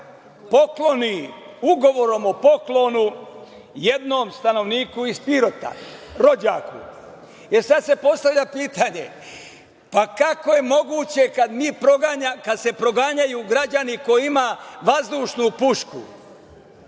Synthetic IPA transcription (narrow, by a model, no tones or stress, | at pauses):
po̞klo̞niuɡo̞ʋo̞ɾo̞mopo̞klo̞nu | jed̪no̞ːmst̪ano̞ʋniːkuispiɾo̞t̪a̰ɾo̞d͡ʑaːkṵ | eɾsad̪sepo̞st̪aʋʎʲapiːt̪aɲe | pakako̞je̞mo̞ɡuːt͡ɕe̞kad̪miːpɾoɡaɲakad̪se̞pɾo̞ɡaɲajuɡɾad͡ʑaniko̞jiimaʋazd̪uːʃnupuʃkṵ